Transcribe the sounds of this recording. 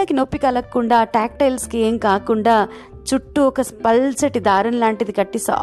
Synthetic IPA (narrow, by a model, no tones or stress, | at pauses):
akinopːikɐlɐkːuɳɖaːʈaːk̚ʈɐjlskieːmkaːkuɳɖaː | t͡ʃuʈːuɔkɐspɐlt͡ʃɐʈid̪aːɾɐnlaːɳʈid̪ikɐʈːisa̰ː